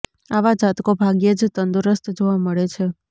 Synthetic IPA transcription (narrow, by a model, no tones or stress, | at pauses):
aʋad͡ʒat̪kobʱaɡjed͡ʒt̪ənd̪uɾəst̪d͡ʒoʋaməɭet͡ʃʰe